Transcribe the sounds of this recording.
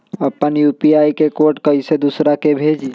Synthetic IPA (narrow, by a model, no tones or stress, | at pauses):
əpːənjupiaːikekoːɾʈkəised̪usɾakebʱeːd͡ʒi